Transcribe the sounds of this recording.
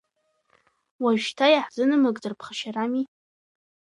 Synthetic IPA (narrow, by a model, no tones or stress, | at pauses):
waʒᶣtʰajaħzɨnɨmɨɡʼd͡zɨrpʰχaʃarami